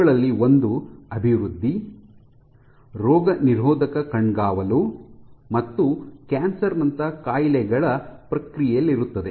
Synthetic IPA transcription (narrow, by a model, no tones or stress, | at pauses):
ɐɭɐlːiond̪uɐbʱiʋɾud̪ʱːi | ɾɔːɡɐniɾɦɔːd̪ɐkɐkɐɳɡaːʋɐlumɐt̪ːukaːnsɐɾnɐnt̪ɐkaːjlɛɡɐɭɐpɾɐkɾijɛjɐlːiɾut̪ːɐd̪e